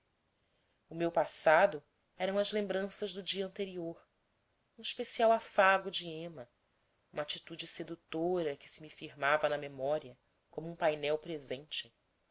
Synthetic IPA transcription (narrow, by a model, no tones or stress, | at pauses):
ʊmewpasad̪ʊ | ɛɾɐ̃w̃ɐzlẽmbɾɐ̃sɐʒd̪ʊd͡ʒiɐɐ̃nt̪eɾioɾ | ũiʃpesiawafaɡʊd͡ʒiẽmɐ | ũmat͡ʃit̪ud͡ʒɪsed̪ut̪oɾɐkɪ̥sɪmifiɾmavɐnɐmemɔɾiɐ | kõmʊũpajnɛwpɾezẽnt͡ʃɪ̥